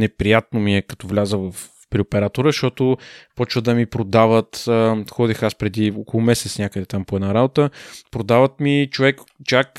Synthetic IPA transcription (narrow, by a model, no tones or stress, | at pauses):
nɛpɾijat̪̚nomiɛkɐ̥t̪ɔvlʲazəvəf | pɾiopɛɾat̪ʊɾəʃt̪ɔt̪ʊpɔt͡ʃvəd̪ɐmipɾod̪avət̪ːxɔd̪ixaspɾɛd̪iɔkolˠʊmɛsɛ̥t̪snʲakəd̪ɛt̪ampoɛd̪naɾabot̪əpɾod̪avət̪mit͡ʃovɛkt͡ʃak